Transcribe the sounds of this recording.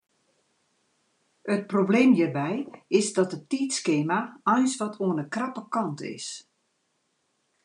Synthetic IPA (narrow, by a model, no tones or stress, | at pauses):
ət̚probleːmjiːrbɛjɪsdɔtətiːtskeːmaɔjnsʋɔtʰuənəkrapəkɔntʰɪ̰s